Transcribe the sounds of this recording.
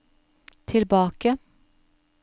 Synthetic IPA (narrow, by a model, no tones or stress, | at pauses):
t̪ʰɪlbɑːkə